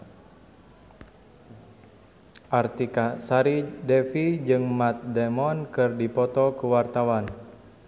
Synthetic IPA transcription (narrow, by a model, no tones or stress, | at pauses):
ʔart̪ikasaɾidɛfid͡ʒɨŋmat̪̚dɛmɔnkɨrdipɔt̪ɔkuwart̪awan